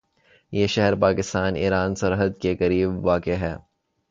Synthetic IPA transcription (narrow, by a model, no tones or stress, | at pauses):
jeːʃɛɦəɾpaːkɪst̪aːniːɾaːnsɐɾɦəd̪̚kekɐɾiːbʋaːkeɦɛː